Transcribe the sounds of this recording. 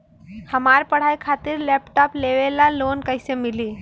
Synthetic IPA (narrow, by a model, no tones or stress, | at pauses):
həmaɾpəɽ̤ajkʰat̪iɾlɛpʈɔpleʋelalonkəɪsemili